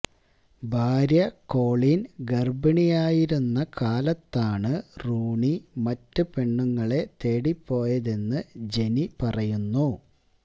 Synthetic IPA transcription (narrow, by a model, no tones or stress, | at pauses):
bʱaːɾjɐko̞ːɭinɡɐrbɐɳijaːjiɾunːɐkaːlɐt̪ːaːɳɨruːɳimɐtːɨpe̞ɳːuŋːɐɭe̞t̪e̞ːɽipːo̞ːjɐðe̞nːɨd͡ʑe̞nipɐrɐjunːu